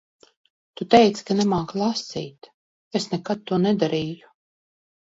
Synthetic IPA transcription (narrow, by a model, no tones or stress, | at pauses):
t̪ut̪ɛjt̪skanɛmaːklˠasḭːt̪ | esnɛkat̪̚t̪ːuɔnɛd̪aɾiːju